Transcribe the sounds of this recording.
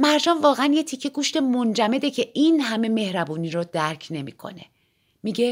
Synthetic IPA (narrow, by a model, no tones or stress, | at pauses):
mæɾd͡ʒɒːmvɒːɣeænjet̪ʰicʰːe̞ɡuːʃt̪e̞mo̞nd͡ʒæme̞d̪e̞cʰe̞ʔiːnɦæme̞me̞hɾæbuːniːɾɔd̪æɾcʰne̞mḭːkʰo̞̰ne̞̰ | miːɟe̞